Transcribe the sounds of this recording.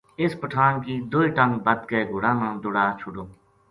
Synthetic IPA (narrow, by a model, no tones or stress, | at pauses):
ɪspəʈʰaːnkiːd̪ʊiːʈə̃ŋɡbəd̪keːɡʊɽãːnãːd̪ʊɽaːt͡ʃʰʊɖoː